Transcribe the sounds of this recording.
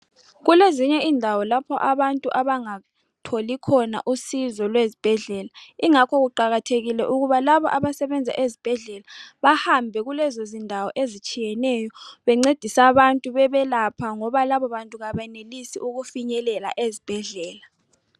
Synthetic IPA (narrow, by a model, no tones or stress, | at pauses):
ɣuleziɲɛiːndʱawɔlapʰɔʔaβantʼuʔaβaŋa | tʰolikʰɔna̰ʔusizɔlwezib̥ʱɛɮɛlaiŋakʰɔɣuǃaɣatʰeɣilɛʔuɣuβalaβɔ̰ʔaβasɛβɛnd͡zʱa̰ʔezib̥ʱɛɮɛlaβahambʱɛɣulɛzozindʱawɔʔezit͡ʃʼijɛnɛjɔβɛŋ͡ǀed̥ʱisaβantʼuβɛβɛlapʰaŋɔβalaβɔβantʼuɣaβɛnelisiʔuɣufiɲɛlɛla̰ʔezib̥ʱɛɮɛːla